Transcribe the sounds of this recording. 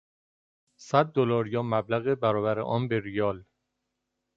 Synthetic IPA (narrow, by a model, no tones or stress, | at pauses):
sæd̪̚ːolɒːɾjɒːmæblæɣebæɾɒːbæɾḛʔɒːnbeɾijɒːl